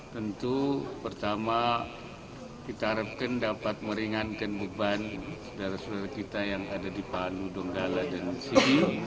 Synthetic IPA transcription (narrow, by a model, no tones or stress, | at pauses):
t̪ənt̪upərt̪ama | kit̪aɦaɾap̚kandapat̪̚məɾiŋankanbubansodaɾasodaɾakit̪ajaŋadadipanudɔŋɡaladansidi